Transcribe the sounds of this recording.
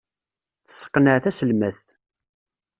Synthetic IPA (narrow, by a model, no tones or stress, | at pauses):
θə̥sːə̥qːnəʕθæsəlmæθ